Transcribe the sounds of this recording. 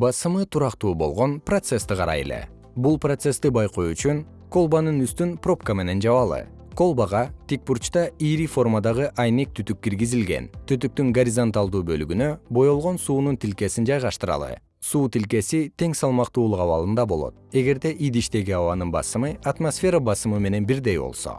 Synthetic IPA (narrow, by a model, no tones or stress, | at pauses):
bɑsɯmɯt̪ʰuɾɑqt̪uːbo̞̰lˠʁo̞nprot̪se̞st̪ɨqʰɑɾɑ̰je̞̰le̞̰ | bulˠprot̪se̞st̪ibɑjqo̞jyt͡ʃyŋ | ko̞lˠbanɯnyst̪ynpro̞p̚kəme̞ne̞nd͡ʒɑβɑlˠɯ̰ | ko̞lˠbaʁɑt̪ik̚purt͡ʃt̪ɑiɾifo̞rmad̪ɑʁɯʔɑjne̞k̚t̪ʰyt̪yk̚ɡiɾɡizilɡe̞̰nt̪ʰyt̪yk̚t̪yŋɡɐɾʲizont̪alˠd̪uːbø̞lyɡynø̞bo̞jo̞lˠʁo̞nsuːnunt̪ilke̞sind͡ʒɑjʁɑʃt̪ɯɾɑ̰lˠɯ̰ | suːt̪ilke̞sit̪ʰe̞ŋsɑlˠmɑqt̪uːlˠuqɑβɑlˠɯnd̪ɑbo̞lˠo̞̰t̪̚e̞ɡe̞ɾd̪e̞ʔid̪iʃt̪e̞ɡiɑwɑnɯnbɑ̰sɯmɯat̪mosfʲe̞ɾəbɑsɯmɯme̞ne̞nbiɾd̪e̞jbo̰lˠso̞̰